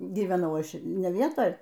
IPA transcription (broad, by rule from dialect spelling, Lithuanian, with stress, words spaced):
ɡʲiːʋʲɛˈnɐʊ ˈɐʃ nʲɛ ˈʋʲiɛtoːj